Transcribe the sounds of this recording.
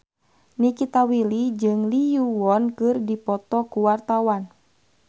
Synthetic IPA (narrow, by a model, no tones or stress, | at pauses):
nikit̪awilid͡ʒɨŋlijuwɔnkɨrdipɔt̪ɔkuwart̪awan